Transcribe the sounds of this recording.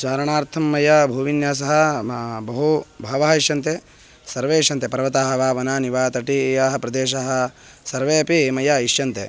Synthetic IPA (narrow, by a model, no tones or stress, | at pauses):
t͡ʃaːɾɐɳaːɾt̪ʰɐmːɐjabʱuːʋinjaːs̬ɐɦɐ̆bɐɦubʱɐːʋɐɦɐiʃjɐnt̪e | sɐɾʋeːʃjɐnt̪epɐɾɐʋɐt̪aːɦɐʋaːʋɐnaːniʋaːt̪ɐʈijaːɦɐ̆pɾɐd̪eːʃ̬aɦɐ̆ | sɐɾʋeːɐpimɐjaːiʃjɐnt̪e